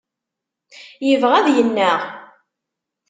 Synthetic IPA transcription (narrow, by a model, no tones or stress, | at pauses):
jəvʁæðjənːæʁ